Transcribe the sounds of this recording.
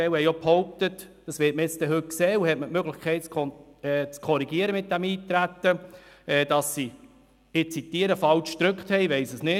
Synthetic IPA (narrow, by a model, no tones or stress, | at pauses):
ɛwhɛjophɔwp̚t̪ət | d̥ɑsʋɪːt̚məɪt͡stɛɦɵt̚ksɛːuhɛtmətmøɡləχkʰɛɪtt͡sʰɔɛːt͡skʰɔɾiɡ̥iəɾəmɪt̚d̥æmiːt̪ɾæt̪ːə | ɛːd̥ɑsːi | ɪt͡sitiəɾəfɑlt͡ʃd̥̪ɾʏkχt̪hɛjʋɛɪsəsnɪ